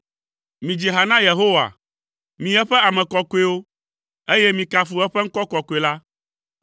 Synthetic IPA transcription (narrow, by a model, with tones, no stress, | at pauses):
mĩ˨d͡ʒi˨ɦa˨nã˦je˨ɦo˦wa̰˨ | mĩ˨ɛ˦ɸɛ˦a˨mɛ̃˨kɔ˨ko˦e˦wo˦ | e˦jɛ˦mĩ˨ka˨fu˨ɛ˦ɸɛ˦ŋ̩˦kɔ˦kɔ˨ko˨e˨la˦